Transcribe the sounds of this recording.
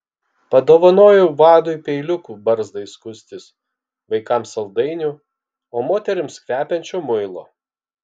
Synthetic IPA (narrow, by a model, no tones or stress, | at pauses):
pɐd̪oːʋɐnoːjɛʋɑːd̪oɪpʲɛɪlʲʊkuːbɐɾzd̪ɐɪskʊsʲt̪ʲɪs | ʋɐɪkɑmsɐlˠd̪ɐɪnʲʊ | oːmoːt̪ʲɛɾʲɪmskʋʲæːpʲɛnʲt͡ʃʲoːmʊɪlˠoː